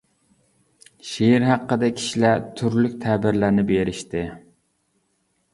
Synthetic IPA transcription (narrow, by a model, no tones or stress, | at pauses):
ʃeiɾɦæqːəd̪ɛkʲʰi̥ʃilæɾt̪ʰyɾlyk̚ʲt̪ʰɛbɪɾlæɾnɪbeɾɪʃt̪ɪ